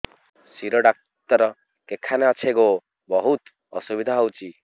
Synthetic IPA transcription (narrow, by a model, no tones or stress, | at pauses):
siɾoɖak̚ | t̪ʌɾ | kekʰːaneʌt͡ʃʰeko | bʌɦut̪ | ɔsubid̪ʱaɦʌwt͡si